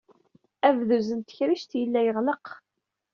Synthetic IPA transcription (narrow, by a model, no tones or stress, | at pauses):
ævðuzənt̪ə̥çɾiʃt̪jəlːæjəʁləq